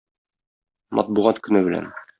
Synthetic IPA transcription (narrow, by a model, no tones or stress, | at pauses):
mʔɒ̰t̪̚buʁɑt̪kɵ̆nɘbɘ̆læ̰n